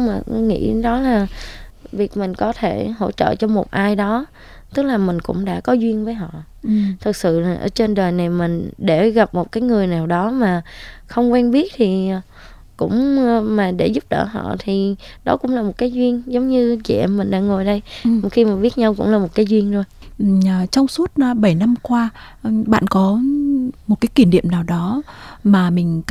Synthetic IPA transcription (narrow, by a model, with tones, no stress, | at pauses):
maː˨˩˨ŋḭ˧˥ɗɔ˨˦laː˨˩vi˨˩ək̚mï˨˩ŋ̟kɔ˨˦t̪ʰe˧˩ɦo̰˧˥t͡ɕə̰ː˧˨t͡ɕɔ˧mo˨˩t̚ʔaː˧jɗɔ˨˦ | t̪ɨ˦˥k̚laː˨˩mï˨˩ŋ̟kʊ̰˧˥ŋ͡mɗa̰ː˧˥kɔ˨˦zwi˧ənvəː˨˦jɦɔ̰˧˨ | t̪ʰɨ˨˩k̚sɨ̰˧˨laː˨˩ʔə̰ː˧˩t͡ɕe˧nɗəː˨˩jna˨˩jmï˨˩ŋ̟ɗe˧˩ɣa˨˩p̚mo˨˩t̚kaː˨˦jŋɨ˨˩əjnaː˨˩wɗɔ˨˦maː˨˩xə˧wŋ͡mkwɛː˧nɓi˦˥ət̚t̪ʰi˨˩ | kʊ̰˧˥ŋ͡mmaː˨˩ɗe˧˩zʊ˦˥p̚ɗə̰ː˧˩ɦɔ̰˧˨t̪ʰi˨˩ | ɗɔ̰˨˦kʊ̰˧˥ŋ͡mlaː˨˩mo˨˩t̚kaː˨˦jzwi˧ənzə˨˦wŋ͡mɲɨ˧t͡ɕɛ̰˧˨mï˨˩ŋ̟ɗa̰ː˧˥ŋo˨˩jɗə˧jxi˧maː˨˩ɓi˦˥ət̚ɲa˧wkʊ̰˧˥ŋ͡mlaː˨˩mo˨˩t̚kaː˨˦jzwi˧ənzo˨˩j | t͡ɕɔ˧wŋ͡msu˦˥ət̚ːɓə˧˩jna˧mkwaː˧ | ɓa̰ː˧˨nkɔ˨˦mo˨˩t̚kaː˨˦jki˧˩ənɗḭ˧˨əmnaː˨˩wɗɔ˨˦maː˨˩mï˨˩ŋ̟